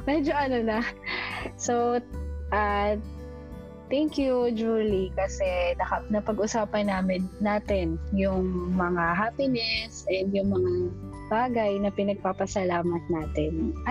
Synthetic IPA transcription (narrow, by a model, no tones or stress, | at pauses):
mɛd͡ʒo̞ʔɐnonɐ | soʔa | t̪ɛŋkjud͡ʒuːlikɐsɛnɐkɐnɐpɐɡʔʊsaːpɐnnaːmɪnːaːt̪ɛnjʊŋmɐŋaɦaːpɪnɛsʔɛnd̪jʊŋmɐŋa | b̥aːɡɐjnɐpɪnɐɡ̚papɐsɐlaːmɐt̪̚naːt̪ɛnʔɐ